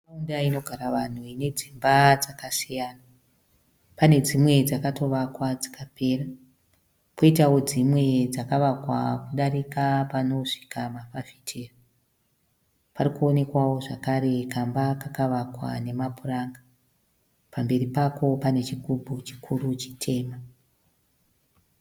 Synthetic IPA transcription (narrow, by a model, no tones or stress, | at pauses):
aundaino̞ɡʱaɾaʋan̤uine̞d͡zimbad͡zakasijana | pane̞d͡zimwe̞d͡zakato̞ʋakwad͡zakapʰe̞ːra | ko̞itawo̞d͡zimwe̞d͡zakaʋakwakuɗaɾikapano̞ʂi̥kamafafi̥tʰeːra | parikuone̞kwawo̞ʐakaɾe̞kambakakaʋakwa̰ne̞mapuraŋɡa | pambe̞ɾipako̞pane̞t͡ʃiɡubʱut͡ʃi̥kʰurut͡ʃitʰe̞ːma